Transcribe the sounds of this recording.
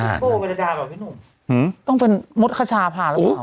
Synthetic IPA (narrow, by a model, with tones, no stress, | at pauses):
a˧˩koː˧˩be˧la˧daː˧bɛː˨˩iː˦˥˩nu˨˩m | ht̪ɔ˥˩ŋpe˧nmo˦˥t̪̚kʰa˧t͡ɕʰaː˧pʰaː˧˩lː